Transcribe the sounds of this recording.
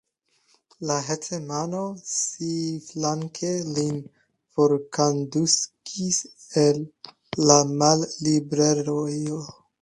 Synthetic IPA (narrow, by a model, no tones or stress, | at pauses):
laɦet͡semano̞siflaŋkʰelin | foɾkanduskʰiselː | amalːibɾeɾojo